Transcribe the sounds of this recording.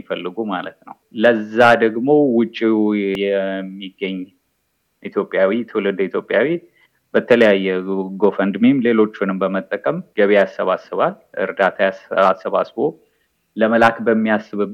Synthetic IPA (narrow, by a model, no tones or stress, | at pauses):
ifəlːɨɡumalət̪nəwləzːad̪əɡmo̞wʊt͡ʃʼːijɛmːiɡːəɲː | ʔit̪ʰjo̞pʼːjawit̪ʰɨwlɨd̪it̪ʰjo̞pʼjawi | bət̪ʰələjajːɛɡo̞fənd̪mimle̞lo̞t͡ʃːunɨmbəmət̪ʼːəkʼəmɡəβejasːəβasːɨβal | ʔɨ̰ɾd̪at̪ʰajasasːəβa̰sbo̞ | ləməlakbəmːiasːɨβɨ